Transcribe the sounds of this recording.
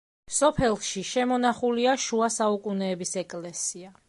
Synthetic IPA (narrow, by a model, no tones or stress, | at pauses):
sɔpʰɛlˠʃiʃɛmɔnaχuliaʃuasaukʼunɛːbisɛkʼlɛsia